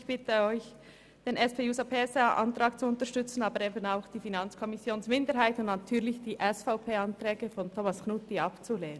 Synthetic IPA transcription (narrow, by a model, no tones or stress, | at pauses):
çb̥ɪtəɔʏç | d̥eːnɛspʰeːjuːsapʰeːsaʔa̰ntɾɑːk̚t͡suʊntəʃtʏt͡sn̩aːbəɾeːbənaʊxd̥iːfinɑnt͡skʰɔmɪsjoːnsmɪndəɾɦaɪtʊntnatʰyːlɪçd̥iːʔɛsfaʊpʰeːɑnt̪rɛːɡəfɔntʰoːmasknutiɑpt͡suleːnən